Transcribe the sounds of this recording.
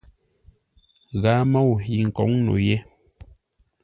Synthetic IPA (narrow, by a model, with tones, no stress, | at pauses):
ɣa˨˦ma˦wu˨ɦi˨ŋ̩˨kɔ˨˦ŋno̰˨jɛ˦